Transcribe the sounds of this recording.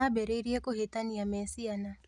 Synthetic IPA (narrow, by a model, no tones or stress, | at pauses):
abɛɾeiɾiekohetaniamɛsiana